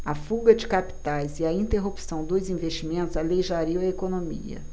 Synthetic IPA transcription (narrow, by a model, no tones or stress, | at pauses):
ɐfuɡɐd͡ʒɪkapi̥t̪ajzɪɐĩnt̪eɦupi̥sɐ̃w̃d̪ozĩvest͡ʃimẽnt̪ʊzalejʒaɾiɐ̃w̃ɐekonomḭɐ̰